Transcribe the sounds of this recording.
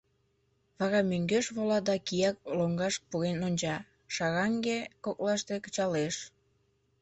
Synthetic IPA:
βɑɾɑmøŋɡøʃβolɑd̪ɑkijɑk̚loŋɡɑʃpuɣenonʲt͡ɕɑ | ʃɑɣɑŋɡekoklɑʃt̪ekə̥t͡ɕɑleʃ

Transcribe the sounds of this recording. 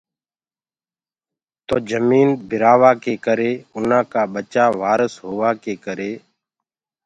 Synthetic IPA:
t̪oːd͡ʒəmiːnbʱɪɾaːʋaːkeːkəɾeːʊnãːkaːɓət͡ʃaːʋaːɾəsɦoːʋaːkeːkəɾeː

